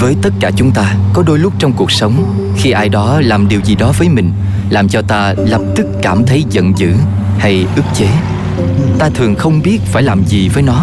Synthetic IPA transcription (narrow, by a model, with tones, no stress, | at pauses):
vəː˨˦jt̪ə˦˥t̚kaː˧˩t͡ɕʊ˨˦ŋ͡mt̪aː˧kɔ˨˦ɗo˧jlʊ˦˥k͡p̚t͡ɕɔ˧wŋ͡mku˨˩ək̚sə˨˦wŋ͡m | xi˧ʔaː˧jɗɔ˨˦laː˨˩mɗi˨˩əwzi˨˩ɗɔ˨˦vəː˨˦jmï˨˩ŋ̟ | laː˨˩mt͡ɕɔ˧t̪aː˧lə˨˩p̚t̪ɨ˦˥kːaː˧˩mt̪ʰə˨˦jzə̰˧˨nzɨ̰˧˥ | ha˧jʔɨ˦˥ək̚t͡ɕe˨˦ | t̪aː˧t̪ʰɨ˨˩ŋxə˧wŋ͡mɓi˦˥ət̚faː˧˩jlaː˨˩mzi˨˩vəː˨˦jnɔ˨˦